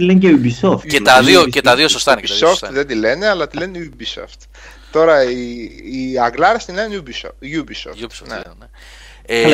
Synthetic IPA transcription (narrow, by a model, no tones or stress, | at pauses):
ilenceubisoft̪cet̪ɐðiocet̪ɐðio̞sost̪ɐinekitðsofst̪ðed̪ile̞neɐlɐt̪ile̞nubiso̰ft̪ | t̪o̞ɾɐiː | ɐŋɡlɐɾɐst̪ilenubisojubiso̰fusonene | e